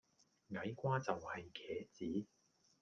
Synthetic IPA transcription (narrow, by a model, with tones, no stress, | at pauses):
ŋɐ˨˥jkʷaː˥t͡sɐ˨whɐ˨jkʰɛː˨˥t͡siː˨˥